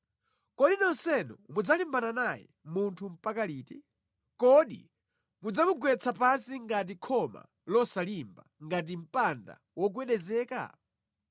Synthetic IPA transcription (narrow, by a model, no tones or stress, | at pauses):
kɔɗinɔnsɛnɔ̰mud͡zalimbananajɛ̰ | muntʰum̩pakaliːtɛ | kɔɗḭ | mud͡zamuɡwɛt͡sʰapasiŋɡat̬ikʰɔma̰ | lɔsalimbaŋɡat̬im̩panda̰ | wɔk̬wɛɗɛzɛːka̰